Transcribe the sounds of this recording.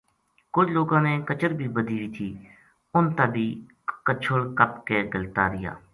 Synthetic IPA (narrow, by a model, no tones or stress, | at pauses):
kʊd͡ʒʰloːɡãːneːkət͡ʃəɾbʱiːbəd̪ʱiːʋiːt̪ʰiː | ʊnt̪aːbʱiː | kət͡ʃʰəɭkəpkeːɡəlt̪aːɾɪja̰ː